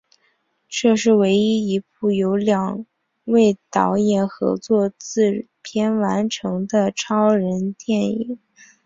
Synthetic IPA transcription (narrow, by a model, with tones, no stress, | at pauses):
ʈ͡ʂɤ˥˧ʂɻ̩˥˩we˧˥ɪi˥i˧˥p̚u˥˩jo˧˥ʊljɑ˨˩ŋ | we˥˩ɪt̪ɑ˧˥ʊjɛ˨˩nxɤ̰˧˥t͡swɔ˥˧t͡sɹ̩˥˩ | pʰjɛ˥nwa˧˥nʈ͡ʂʰɤ˧˥ŋd̪ə˧ʈ͡ʂʰɑ˥ʊɻə˧˥nt̪jɛ˥˩nḭ˨˩˦ŋ